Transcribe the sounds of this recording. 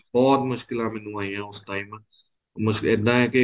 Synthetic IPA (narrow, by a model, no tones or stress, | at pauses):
bɔːt̪mʊʃkɪlãːmɛ̃ːnũːaːĩjãːʊsʈaːiːmə̃ | mʊʃkɛd̪ãːɦɛke